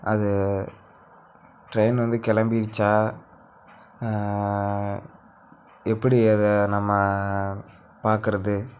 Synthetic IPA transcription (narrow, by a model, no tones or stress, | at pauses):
ɐðɯ | ʈɾɐjnʋɐnd̪ɯkɛlɐmbɪɾt͡ʃːaː | ɛpːɐɽiɐðɛnɐmːɐ | paːɾkɯɾɐðɯ